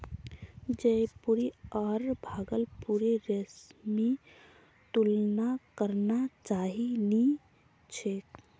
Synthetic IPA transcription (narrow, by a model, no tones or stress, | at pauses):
d͡ʒeipuɾiɔɾbʱaːɡəlpuɾeɾəsmi | t̪ulnakəɾnat͡ʃaɦini | t͡ʃʰek